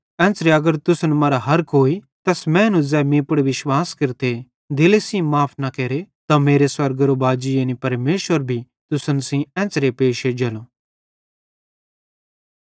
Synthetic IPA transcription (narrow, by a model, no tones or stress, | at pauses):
ɛ̃ːt͡sɾeɐɡəɾt̪ʊsənmɐɾaɦɐɾkoːi | t̪ɐsmɛ̃ːnũzɛːmĩːpəɽʋɪʃwaːskɪɾt̪e | d̪ɪlesĩmaːpʰnakeːɾet̪ãmeːɾeswɐɾɡɾobaːd͡ʒɪjenipɐɾmeːʃʋəɾbʱi | t̪ʊsənsĩɛ̃ːt͡sɾepeːʃed͡ʒɐloː